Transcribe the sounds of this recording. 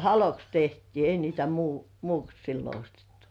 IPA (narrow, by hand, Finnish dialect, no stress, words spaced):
hɑloks tehtiː ei niːtæ muˑ muːks silːo ostetːu̥